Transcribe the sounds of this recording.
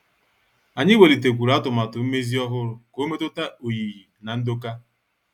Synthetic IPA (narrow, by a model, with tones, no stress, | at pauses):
a˨ɲɪ˦we˨li˨t̬e˨k̬ʷu˨ɾa˦tʊ˨ma˨tʊ˨m̩˦me˦zi˦ɔ˦ɦʊ˦ɾʊ˨ko˦me˦tʊ˦ta˦o˨ji˨ɦi˨na˨n̩˦do˦ka˦